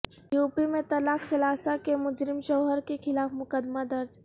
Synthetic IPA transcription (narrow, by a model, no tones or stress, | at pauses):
juːpimẽt̪ɐlaːksɐlaːsakemʊd͡ʒɾɪmʃɐʊɦəɾkekʰɪlaːfmʊkəd̪mad̪ɐɾd͡ʒ